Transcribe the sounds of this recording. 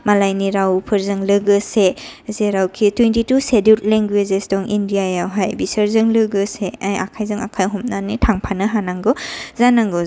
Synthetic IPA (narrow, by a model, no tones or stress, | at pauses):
malajniɾawpʰəɾzɯŋlɯɡɯsezeɾawkʰitwentitusedut̚leŋɡwezesdɔŋindijajawɦajbisəɾzɯŋlɯɡɯseaja̰kʰajzɯŋa̰kʰajɦɔmnanitʰaŋpʰanɯɦanaŋɡɔzanaŋɡɔ